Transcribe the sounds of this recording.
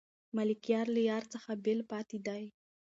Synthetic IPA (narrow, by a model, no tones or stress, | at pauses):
malikijɑɾləjɑɾt͡səxabelpɑt̪id̪aj